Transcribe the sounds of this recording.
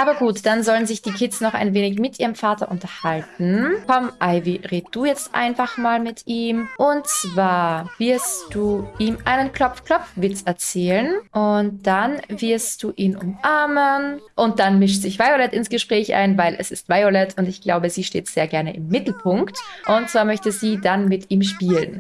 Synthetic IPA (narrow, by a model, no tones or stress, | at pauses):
ʔaːbɐɡuːtd̥anzɔlənzɪçd̥iːkʰɪtsnɔχa̰ɪnveːnɪçmɪtʔiːʁəmfaːtɐʔʊntɐhaltn̩kʰɔmʔaɪviʁeːdəd̥uːjɛt͡stʔa̰ɪnfaχmaːlmɪtʔiːmʔʊntt͡sv̥aːɐvɪɐsttd̥uːʔiːmʔaɪnənkʰlɔfklɔp͡fvɪt͡sɛɐt͡sɛːlənʔʊntd̥anvɪɐstd̥uːʔiːnʔʊ̰mʔaɐmənʔʊnt̚d̥anmɪʃz̥ɪçv̥aɪolɛtɪnsɡ̥əʃpʁ̥ɛːçʔa̰ɪnvaɪlʔɛ̰sɪstv̥aɪolɛtʰʊntɪçɡ̥laʊbəziːʃtḛːtz̥eːɐɡɛɐnəʔɪmːɪtl̩pʰʊŋktʔʊntt͡sv̥aːɐmœçtəziːdanmɪtʰʔiːmʃpiːlən